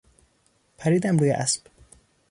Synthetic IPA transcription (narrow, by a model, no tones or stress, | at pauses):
pʰæɾiːd̪æmɾuːjḛʔæsb̥